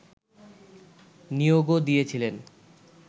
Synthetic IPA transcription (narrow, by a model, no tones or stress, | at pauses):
nijoɡod̪ijet͡ɕʰilen